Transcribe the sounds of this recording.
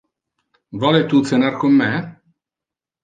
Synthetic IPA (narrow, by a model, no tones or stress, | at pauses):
vɔːlet̪ut̪senarkomːe